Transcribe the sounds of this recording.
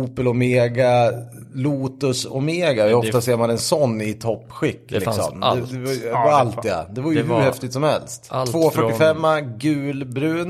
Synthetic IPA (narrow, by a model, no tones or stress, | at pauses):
uːpəlɔmeːɡa | luːt̪ɵsɔ̰meːɡaɔɔft̪aseːɾmanɛnsɔnːɪt̪ʰɔpːɧɪkːlɪksɔ̰mɛdd̪ɛvaalt̪ːa̰d̪ɛvaɾjəhʉɾhɛft̪ɪt̪sɔmhɛ̰lst̪voːfœʈːɪfɛmːaɡʉ̟ːlbɾʉ̟ːn